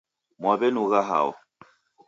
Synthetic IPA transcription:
mwabɛnuɣaɦa̰wɔ̰

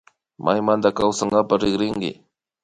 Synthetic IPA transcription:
mʔajmand̪akawsaŋɡapaɾɪɡɾɪŋkɪ̰

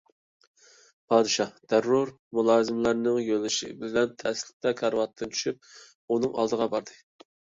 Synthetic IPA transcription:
pʰɑːd̪ɨʃɑd̪̥æɾːuɾ | mulˠɑːzɨmlæɾnɪŋjølɪʃḭbɪlɛnt̪ʰɛslɪ̥t̪ʰɛkʰɑɾwɑt̪ʰːɨnt͡ʃʰy̥ʃyp̚ | unɨŋɑ̰lˠd̪əʁɑbɑɾd̪ɨ

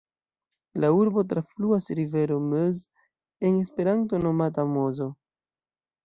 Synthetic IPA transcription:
lauɾbo̞t̬ɾafluasɾive̞ɾo̞møz | e̞ne̞spe̞ɾanto̞no̞matamo̞zo̞

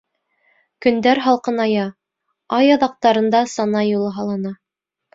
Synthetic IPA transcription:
kɵ̆nd̪æɾɦɑlˠqɤnɑjɑ | ɑjɑðɑq̚t̪ɑɾɤ̆nd̪ɑsɑnɑjulˠɤɦɑlˠɑnɑ

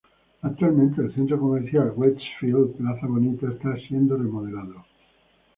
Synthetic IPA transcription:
ak̚t̪ualmẽnt̪̬eːlθe̞nt̪̬ɾoko̞meɾθjalɣwet͡ʃfild̪plaθaβo̞nit̪aest̪asje̞nd̪oremoðe̞laðo

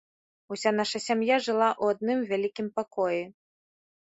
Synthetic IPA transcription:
usʲan̪aʂɐsʲamjaʐɨlˠaʔwad̪̚nɨmvʲalʲikʲimpakɔji

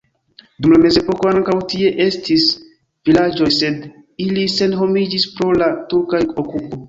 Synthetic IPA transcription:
dumlame̞ze̞po̞ko̞aŋkawtie̞ʔe̞stʰis | vilad͡ʒo̞jse̞d | ilise̞nɦo̞mid͡ʒispɾo̞latuɾkajokupo̞

